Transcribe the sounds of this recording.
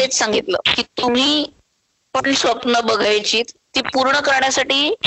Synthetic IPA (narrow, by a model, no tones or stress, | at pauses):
t̪et͡ssãŋɡʱit̪lə̰ːkiːt̪um̤iː | poʈɳʈsʋəpnːəbəɡʱajt͡ɕiːt̪ːiːpuɾɳəkəɾɳjasaʈiː